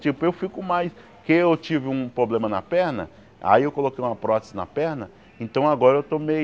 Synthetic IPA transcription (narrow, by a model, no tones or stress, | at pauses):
t͡ʃipʊewfikʊmajs | keewt͡ʃivɪũpɾoblẽmɐnɐ̰pɛɾnɐ | a̰iewkolokejũmɐpɾɔt̪ɪ̥zɪnɐ̰pɛɾnɐ | ẽnt̪ɐ̃w̃aɡɔɾɐewt̪omej